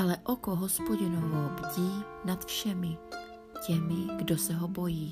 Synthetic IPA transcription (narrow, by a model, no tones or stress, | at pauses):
alɛʔokoɦospoɟɪnovobɟiː | nat̪fʃɛmɪ | cɛmɪɡdosɛɦobo̞jiː